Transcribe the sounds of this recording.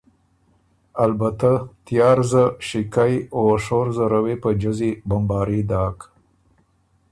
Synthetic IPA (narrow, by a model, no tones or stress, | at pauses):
albat̪at̪jɑːɾzəʃɪkajoʂoɾzəɾawepəd͡ʒəzibambɑɾid̪ɑːk